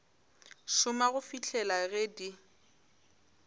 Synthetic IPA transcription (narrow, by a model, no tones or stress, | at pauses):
ʃʊmaɣʊfit͡ɬʰɛlaɣɛdi